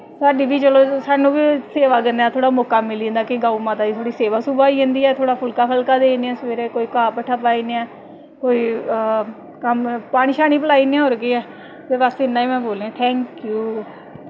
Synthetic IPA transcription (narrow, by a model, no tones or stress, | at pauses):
saːɖiːbiːt͡ʃəloːsaːnũːbiːseːʋaːɡənd̪aːt̪ʰoːɽaːmoːkaːmɪlĩːnd̪aːkɪɡaːumãːt̪aːit̪ʰoːɽiːseːʋaːsuːbaːiːɦə̃ːnd̪iːɛːt̪ʰoːɽaːpʰʊlkaːpʰəlkaːd̪eːneɛ̃ːsʋeːɾeːkoːiːkaːpəʈʰːaːpaːiːneɛ̃ː | koːiː | kəmpaːɽ̃iːʃaːñiːpəlaːiːnẽːɦoɾɡiːɛː | t̪eːbast̪eɪnːãːiːmɛ̃ːboːleãːt̪ʰɛ̃ːŋkjuː